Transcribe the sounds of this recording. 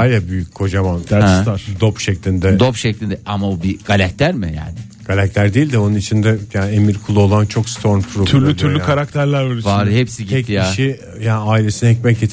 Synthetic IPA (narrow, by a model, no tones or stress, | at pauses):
ajlabyjyc̚ʲkʰo̞d͡ʒamant̪ad̪o̞pʃɛclʲind̪ɛd̪opʃɛclʲind̪ɛʔamaubiɡ̥alʲaclʲæɾmɪja̰ːnɪ | ɡ̥alʲac̚t̪lʲæɾd̪iːlʲd̪ɪo̞nunit͡ʃʰind̪ɛjaːnemiɾkʰulˠuo̞lˠant͡ʃʰo̞kst̪ʰo̞ɾmpʰɾot̪ʰyɾlʲyylʲykʰaɾak̚t̪ʰæɾlʲæɾølʲyvaɾhɛpsiɟ̪iɛc̪ːjaiʃi | jaːnɪaːilʲe̞sinɯɛcmɛcet̪ʰ